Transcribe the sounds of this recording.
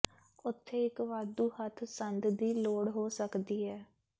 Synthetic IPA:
ʊt̪ʰːeːɪkʋaːd̪uːhət̪ʰsənd̪d̪iːloːɽɦoːsəkd̪iːɦɛː

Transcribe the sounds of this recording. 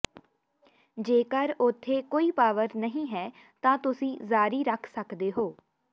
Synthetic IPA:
d͡ʒeːkəɾʊt̪ʰːeːkoːiːpaːʋəɾnəɦĩːɦɛː | t̪ãːt̪ʊsĩːzaːɾiːɾəkʰsəkd̪eːɦoː

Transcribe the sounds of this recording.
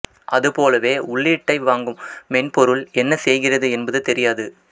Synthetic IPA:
ʔɐðɯpoːlɐʋeːʊɭːiːʈːɐɪʋaːŋɡɯmːɛnpɔɾɯlɛnːɐsɛjɣɪrɐðɯɛnbɐðɯt̪ɛɾɪjaːðɯ

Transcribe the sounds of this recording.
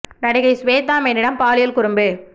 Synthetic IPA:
nɐɽɪɣɐɪsʋeːt̪̬ːaːmɐɪnɪɽɐmpaːlɪjɐlkʊɾɯmbɯ

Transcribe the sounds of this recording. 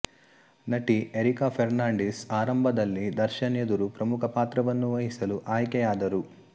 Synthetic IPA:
nɐʈiʔeɾikaːpʰeɾnaːɳɖisaːɾɐmbʱɐd̪ɐlːid̪ɐɾʃɐned̪uɾupɾɐmukʰɐpaːt̪ɾɐʋɐnːuʋɐɦisɐluʔaːjkɛjaːd̪ɐɾu

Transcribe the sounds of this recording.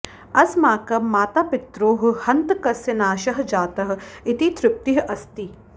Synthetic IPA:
ɐsmaːkɐmaːt̪aːpɪt̪ɾoːɦ̆hɐnt̪kɐsɪnaːʃɐɦd͡ʒaːt̪ɐɦ̆ɪt̪it̪ɾɪp̚t̪iɦʔɐst̪i

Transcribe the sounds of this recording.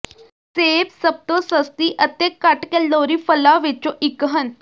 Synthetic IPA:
seːbsəb̚t̪õsəst̪iːʔət̪ẽkəʈkeloːɾiːfəlaːʋɪt͡ʃõʔɪkɦən

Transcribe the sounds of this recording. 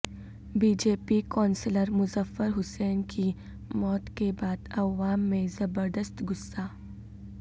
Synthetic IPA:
biːd͡ʒeːpikɔːnsləɾmʊzəfːəɾɦʊsɛːnkʰi | mɔːt̪kebaːd̪ɐʋaːmːẽzɐbəɾd̪əst̪ɡʊsːaː

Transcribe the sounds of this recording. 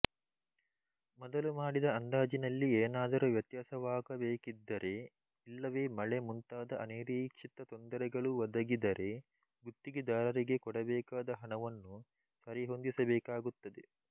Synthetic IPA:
mɔd̪ɐlumaːɽid̪ɐɐnd̪aːd͡ʒinɐlːieːnaːd̪ɐɾuʋjɐt̪jaːsɐʋaːkɐbeːkid̪ːɐɾʔe̞ | ilːɐʋe̞ːmɐɭe̞munt̪aːd̪ɐʔɐneːɾiːkʂit̪ːɐt̪ond̪ɐɾɛɡɐɭuʋɐd̪ɐɡid̪ɐɾe̞ | ɡut̪ːiɡid̪aːɾɐɾiɡe̞kɔɽɐbɛːkaːd̪ɐɦɐɳɐʋɐnːu | sɐɾiɦo̞nd̪isɐbɛːkaːɡut̪ːɐd̪e

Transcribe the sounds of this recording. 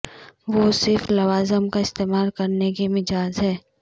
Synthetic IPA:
ʋosɪɾflɐʋaːzəmkaɪst̪eːmaːlkɐɾnekemɪd͡ʒaːzɦɛː

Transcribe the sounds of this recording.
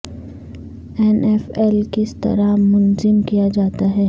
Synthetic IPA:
ɛːnɛːfɛlkɪst̪ɐ̰ɾamʊnzɪmkijad͡ʒaːt̪aɦɛː

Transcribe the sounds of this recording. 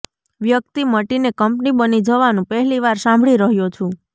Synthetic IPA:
ʋjəkt̪iməʈinekəmpnibənid͡ʒəʋanũpəɦɛliʋaɾsãmbʱɭiɾəɦjot͡ʃʰũ

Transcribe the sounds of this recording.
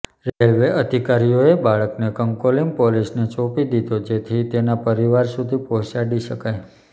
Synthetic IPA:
ɾelʋeʔəd̪ʱikaɾijoebaɭəknekəŋkolimpolisnet͡ʃopid̪id̪od͡ʒet̪ʰit̪enapəɾiʋaɾsud̪ʱipoɦʃaɖiʃəkaj

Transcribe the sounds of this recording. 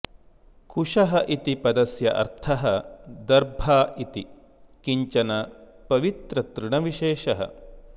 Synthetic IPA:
kʰuʂɐɦɐʔit̪ipɐd̪ɐsjɐʔɐ̰ɾt̪ʰɐɦɐd̪ɐɾbʱaːʔit̪i | kiɲt͡ʃɐnɐ | pɐʋit̪ɾɐt̪ɾuɳɐʋiʃeːʃɐɦɐ̰

